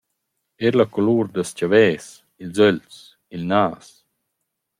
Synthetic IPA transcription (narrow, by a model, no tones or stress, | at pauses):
ɛɾlakoluːɾd̪ascavɛːs | ilzœlt͡s | ilnaːs